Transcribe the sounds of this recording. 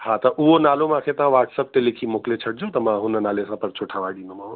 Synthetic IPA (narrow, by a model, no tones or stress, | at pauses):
ɦãt̪ɐʔuɦonaːlomãkʰet̪ɐɦãʋaːʈsəp̚t̪elekʰimoklet͡ʃʰɐʈ̚ʰd͡ʒõt̪ɐmãɦʊnənaːlesãpɐɾt͡ʃʰoʈʰaʋaɖĩnd̪õmã